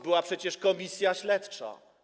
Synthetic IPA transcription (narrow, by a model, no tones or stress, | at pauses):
bɘwapʂɛt͡ɕɛʂkɔmʲisʲjaɕlɛt̪t͡ʂa̰